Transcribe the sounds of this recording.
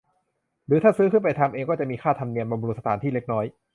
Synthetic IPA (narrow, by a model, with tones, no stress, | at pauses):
ɾɯː˩˦aː˥˩sɯː˦˥kʰɯ˥˩npa˧jt̪ʰa˧mʔeː˧ŋkɔː˥˩t͡ɕa˨˩ʔmiː˧kʰaː˥˩t̪ʰa˧mni˧ənba˧bːɾu˦t̪̚sa˧t̪aː˩˦nt̪iː˥˩le˦˥k̚nɔː˦˥j